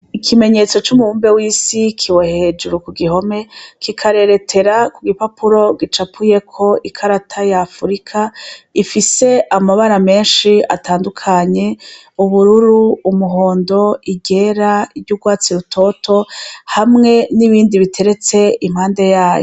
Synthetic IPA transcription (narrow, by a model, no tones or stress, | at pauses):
ikʰime̞ɲe̞t͡so̞t͡ʃumuuːmbe̞wiːsikʰiwehe̞ːd͡ʒuɾukuɡiho̞me̞kikʰaɾe̞ɾe̞tʰe̞ɾakuɡipapʰuɾo̞ɡit͡ʃapʰuje̞kʰo̞ʔikʰaɾatʰajaːfuɾikʰaifise̞amaβaɾame̞ːnʃia̰taːndukʰaɲe̞ | uβuɾuɾuumuɦo̞ːndo̞iɡe̞ːɾaiɾɟuɡwaːt͡siɾutʰo̞tʰo̞hamŋe̞niβiːndiβitʰe̞ɾe̞t͡se̞imhaːnde̞jaːjo